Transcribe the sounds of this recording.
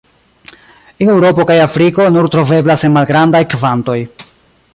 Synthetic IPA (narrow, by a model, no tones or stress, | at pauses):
enewɾo̞po̞kajafɾiko̞nuɾtɾo̞ve̞blase̞nmalɡɾandajkvanto̞j